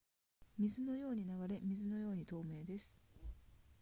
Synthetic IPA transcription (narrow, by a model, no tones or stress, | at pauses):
mʲizɨno̞jo̞ːɲ̟inaɡaɾe̞mʲizɨno̞jo̞ːɲ̟it̪o̞ːme̞ːd̪e̞sɨ̥